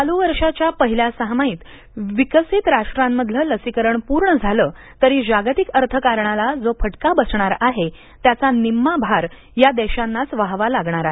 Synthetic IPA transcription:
aluʋəɾʂat͡ɕjapəɦiljasəɦmaiːt̪ | ʋikəsit̪ɾaʂʈɾãmːəd̪ʱlələsikəɾəɳpuɾɳəd͡zʱaləː | t̪əɾiːd͡ʑaɡt̪ikəɾt̪ʰəkaɾɳalad͡zopʰəʈkabəsɳaɾaɦe | t̪jat͡sanimːabʱaɾ | jad̪ɛɕanːat͡sʋaɦʋalaɡɳ̃aɾaɦe

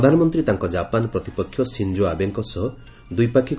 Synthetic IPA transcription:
ɔd̪ʱanɔmɔnt̪ɾit̪aŋkɔd͡ʒapanɔpɾɔt̪ipɔkʰːjɔsind͡ʒoabeŋkɔsɔɦɔ | d̪ujpakʰik

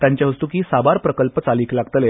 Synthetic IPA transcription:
t̪jaɲt͡ɕjaʋəst̪uːkiːsabaɾpɾəkəlpət͡saliːklaɡt̪əle

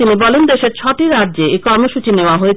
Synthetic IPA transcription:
inibɔlend̪eʃeɾt͡ɕʰɔʈiɾad̪ːd͡ʑeekɔɾmoʃut͡ɕineoaɦoe

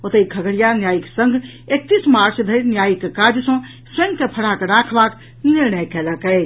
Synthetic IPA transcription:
ot̪əikʰəɡəɽijanjajiksəŋɡʱ | ek̚t̪ismaɾt͡ʃd̪ʱəɾnjajikekaɾd͡ʒjsə̃ | sə̃ŋkepʰəɽakeɾakʰbak | niɾnəjkɛləkɛɪ

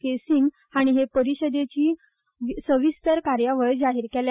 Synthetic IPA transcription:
kesiŋɡ | aɽ̃iɦepəɾiɕəd̪et͡ɕiː | səʋist̪əɾkaɾjaʋəɭd͡zaɦiɾkel

